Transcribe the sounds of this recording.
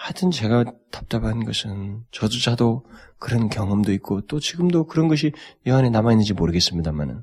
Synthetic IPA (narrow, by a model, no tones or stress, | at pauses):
had͡ʑɯnt͡ɕe̞ɡatḁp̚t͈aɡanɡʌsʰɯnt͡ɕʌd͡ʑud͡ʑʰadokɯɾʌnkjʌŋɦʌmdoit̚k͈ot͈ot͡ɕiɡɯmdokɯɾʌnɡʌɕ̬ʰijʌɦanenamainːɯnd͡ʑimoɾɯɡe̞s͈ɯmɲidama̰nɯ̰n